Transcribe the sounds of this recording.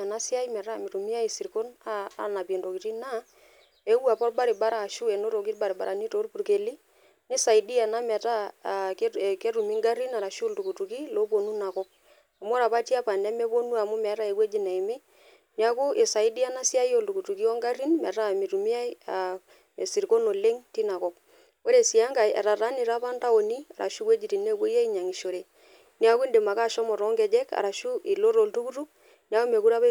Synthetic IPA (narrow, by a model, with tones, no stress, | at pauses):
a˨na˦sɪ˦a˦i˦mɛ˨ta˦mɪ˨ɾu˨mi˦a˦i˨si˨ɾko˦na̰ː˦na˨pe˨ndo˨ki˨ti˦na˦ | e˦wa˨pɔ˦rba˦ɾɪ˨ba˦ɾaː˦˨ʃu˦ɛ˨no˦ɾo˨ki˦tba˨ɾɪ˨ba̰˨ɾa˨ni˦to˨˦rpu˨ɾke˨li˦ | nɪ˦sa˨i˨di˦a˨na˦mɛ˨ta˦˨˦ | ke˦ɾu˨mi˦ŋɡa˦ɾi˦na˨ɾa˨ʃltu˨ku˨tu˨ki˦lo˦po˨nu˦na˨kɔ˦k̚ | a˨m˦ɾa˨pa˦ti˦a˦pa˨nɛ˦mɛ˦po˦nu˦a˨mʊ˦mɛ˨˦ta˦e˨kwe˦d͡ʒi˨na˨i˨mɪ˦ | ni˦a˦ku˦ʔe˨sa˨i˦di˦a˦na˦si˦a˦jo˦˨ltu˨ku˨tu˨ki˦ɔ˦ŋɡa˦ri˦nmɛ̰˨˦ɾa˦mi˨ɾu˨mi˦a˦ja˨ | e˨si˨ɾko˦no˨le˦ŋti˦na˨kɔ˦k̚ | wo˦ɾe˨si˨a˦ŋɡa˨jɛ̰˨ɾa˨ɾa˦ni˨ɾa˦pa˦nta˦o˨ni˦a̰˨ɾa̰˨ʃu˦kwe˦d͡ʒi˨ti˨ne˦˨kwo˦a˦i˦ɲa˨ŋi˨ʃo˨ɾe˨ | ni˦a˦ku˦nde˨ma˨ka˦˨ʃɔ˦mɔ˨ɾɔ˦ŋɡɛ˨d͡ʒɛ˦ka̰˨ɾa˨ʃu˦ʔi˨lo˦ɾo˨ltu˦ku˦tu˦k̚ | ni˦a˦ku˦me˨ku˦ɾa˦βa